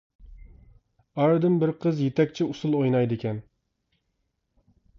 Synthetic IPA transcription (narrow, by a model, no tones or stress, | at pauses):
ɑɾɨd̪ɨmbɪɾqʰəzjet̪ʰɛkʲt͡ʃʰiusulˠojnɑjd̪ɪkʲɛn